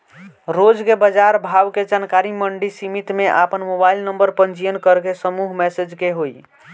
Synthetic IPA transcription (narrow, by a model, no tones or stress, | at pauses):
ɾod͡ʒkebəd͡ʒaɾbʱawked͡ʒankaɾiməɳɖisimit̪meʔapənmobailnəmbəɾpənt͡ʃijənkəɾkesəmuɦmɛsed͡ʒkeɦoi